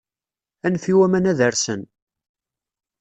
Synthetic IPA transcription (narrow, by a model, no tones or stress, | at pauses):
ænfiwæmænæðəɾsən